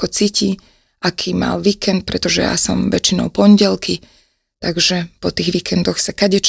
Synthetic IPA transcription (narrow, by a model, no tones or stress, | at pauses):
kɔt͡siːci | akʰiːma̰lʋiːkɛnt̪̚pɾɛt̪ɔʒɛ̰ja̰sɔ̰mʋɛt͡ʃinɔ̰ʊpɔɲɟɛlki | t̪aɡʒɛpɔt̪iːɣʋiːkʰɛnd̪ɔxsakaɟɛt͡ʃ